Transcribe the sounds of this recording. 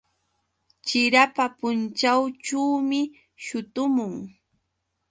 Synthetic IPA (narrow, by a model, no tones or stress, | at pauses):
t͡ʃɪɾapapʊnt͡ʃawt͡ʃawmɪ | ʃʊt̪ʊmʊŋ